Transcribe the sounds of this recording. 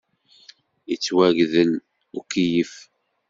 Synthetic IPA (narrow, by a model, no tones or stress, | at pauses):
it͡sːwæʝðən | ukːijif